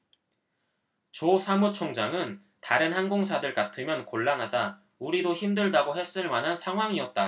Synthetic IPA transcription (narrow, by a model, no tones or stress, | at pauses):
t͡ɕosʰamut͡ɕʰoŋd͡ʑaŋɯn | taɾɯnhanɡoŋsʰadɯɭk͈atʰɯmjʌnkoɭːanɦad͡ʑa | uɾidoçimdɯɭdaɡoɦe̞s͈ɯnɯɭmanɦansʰaŋɦwaŋiʌt̚t͈a